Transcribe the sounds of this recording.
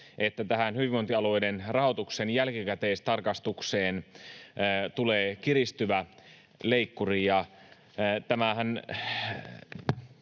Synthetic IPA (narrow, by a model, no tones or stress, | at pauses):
ʔet̪ːæt̪æhænhyʋiʋont̪iɑluoejdenrɑhot̪uksenjælkikæt̪eːst̪ɑrkɑst̪ukseːnː | t̪uleːkirist̪yʋæ | leikːurijɑ | t̪æmæhæn